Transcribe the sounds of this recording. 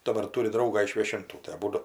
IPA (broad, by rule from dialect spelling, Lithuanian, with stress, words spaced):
dɐˈbɐr ˈtʊrʲɪ ˈdrɐʊɡɑː ɪʃ ʋʲiɛʃʲɪnˈtuː tɐɪ ɐˈbuːdʊ